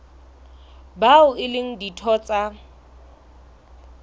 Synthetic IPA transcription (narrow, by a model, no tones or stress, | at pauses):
baʊɪlɪŋ̩ditʰɔt͡sʼa